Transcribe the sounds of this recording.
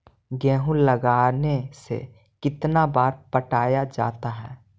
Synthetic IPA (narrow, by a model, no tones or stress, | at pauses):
ɡɛːɦũləɡaːnesḛ | kɪt̪nabaːɾpəʈaːjad͡ʒa̰ːt̪aɦɛː